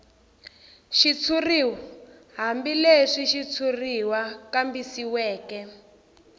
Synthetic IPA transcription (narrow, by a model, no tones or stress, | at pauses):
ʃit͡sʰuriwaɦambileʂiʃit͡sʰuriwakambisiwɛːkɛ